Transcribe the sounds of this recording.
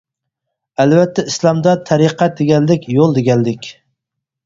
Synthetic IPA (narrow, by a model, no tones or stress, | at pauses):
ælvɛt̪ʰːɛislˠɑmd̪ɑt̪ʰæɾiqʰæd̪eɡʲɛnlɪkʲjolˠd̪eɡʲɛnd̪ɪkʲ